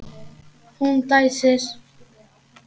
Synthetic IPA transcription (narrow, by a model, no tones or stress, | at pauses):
unt̪ajses